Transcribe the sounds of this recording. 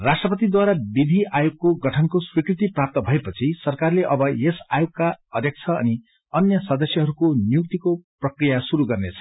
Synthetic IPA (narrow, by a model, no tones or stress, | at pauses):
rasʈrʌpʌt̪id̪waɾabid̪ʱiʔajoɡkoɡʌʈʰʌnkoswikrit̪iprap̚t̪ʌbʱʌepʌt͡sʰisʌrkarleʔʌbʌesa̰joɡkaʌd̪ʱjʌk̚t͡sʰʌʌ̰ni | ʌnjʌsʌd̪ʌsjʌɦʌɾukonjuk̚t̪ikoprʌkrijasuɾuɡʌrnet͡sʰʌ̥